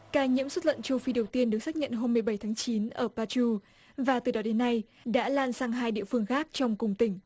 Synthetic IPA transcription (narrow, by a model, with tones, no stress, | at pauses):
kaː˧˩jɲḭ˧˥əmswə˦˥t̚lə̰˧˨nt͡ɕu˧fi˧ɗə˨˩wt̪i˧ənɗɨ˨˩ək̚saː˦˥k̚ɲə̰˧˨nɦo˧mːɨ˨˩əjɓə˧˩jt̪ʰaː˨˦ŋt͡ɕi˨˦nʔəː˧˩paː˧t͡ɕu˧ | vaː˨˩t̪ɨ˨˩ɗɔ˨˦ɗe˨˦nːa˧j | ɗa̰ː˧˥laː˨˩nsaː˧ŋɦaː˧jɗḭ˧˨əfɨ˧əŋxaː˦˥k̚t͡ɕɔ˧wŋ͡mkʊ˨˩ŋ͡mt̪ï˧˩ŋ̟